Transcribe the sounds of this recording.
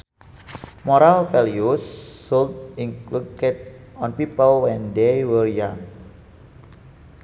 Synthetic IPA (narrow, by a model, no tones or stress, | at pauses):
mɔɾalfɛlijusːult̪̚iŋklukɛt̪̚ | ɔnpipəlwɛndejwərjaŋ